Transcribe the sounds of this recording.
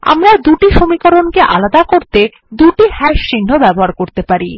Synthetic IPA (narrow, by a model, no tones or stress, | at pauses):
a̰mɾad̪uʈiʃomikoɾonkeʔalad̪akoɾt̪e | d̪uʈihɛʃʃin̤ːobɛboɦaɾkoɾt̪epaɾi